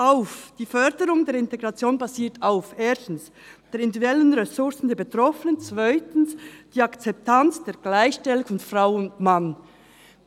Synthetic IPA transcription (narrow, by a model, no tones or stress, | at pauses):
ʔaʊfd̥iːfœʁdəʁʊŋdeːɐɪnteɡʁat͡sjoːnbaziːɐtʰaʊfʔeːɐstn̩s | d̥eːɾɪndidɛlənʁɛsʊɾsn̩deːɐbetrɔfənənt͡sv̥aɪtn̩sd̥iːakt͡sɛp̚tʰant͡sd̥eːɡ̥laɪçʃtɛlʊŋfɔnfraʊʊndman